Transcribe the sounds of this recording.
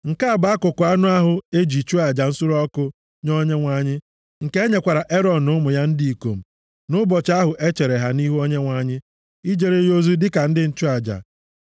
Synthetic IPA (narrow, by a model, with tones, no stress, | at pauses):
ŋ̩˨ka˦a˨ba˨˦a˦kʊ˨kʊ˨˦a˦nʊ˦a˦ɦʊ˨e˦d͡ʒi˨t͡ʃu˦a˨d͡ʒa˨n̩˦sʊ˦ɾɔ˦kʊ˦ | ɲɔ˦ɲe˦ŋʷa˦˨ɲɪ˦ | ŋ̩˨ke˦ɲe˨kʷa˨ɾa˨ʔe˦ɾɔ˨n̩˨ʊ˦mʊ˨ja˦n̩˦di˦i˨ko̰˨m̩˨ | nʊ˦bɔ˨t͡ʃa˦ɦʊ˨ʔe˦t͡ʃe˨ɾe˨ɦa˨ni˦ɦu˦o˦ɲe˦ŋʷa˨˦ɲɪ˦ | i˦d͡ʒe˨ɾe˨jo˦zu˦dɪ˦ka˨n̩˦dɪ˦n̩˦t͡ʃu˦a˨d͡ʒa̰˨